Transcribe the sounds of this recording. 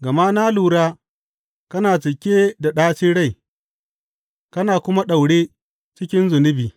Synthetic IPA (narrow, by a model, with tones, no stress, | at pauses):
ɡɐ˨ma˦naː˦luː˨ɽaː˦ | kɐ˦naː˨t͡ʃɪ˨kʲeː˦da˨ɗaː˦t͡ʃiː˦ɽa˦j | kɐ˦naː˨kʷʊ˦ma˦ɗa˨wɽeː˦ | t͡ʃɪ˦kʲɪ˦nzʊ˨nɪ˦biː˨